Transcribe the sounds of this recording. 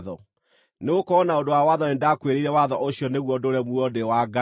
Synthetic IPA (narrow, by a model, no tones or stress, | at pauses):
ðɔ | neokɔnaodowawaðɔnendakweɾeiɾɛwaðɔʔoɕijɔneɣwɔdoɾɛmwɔdewaɡa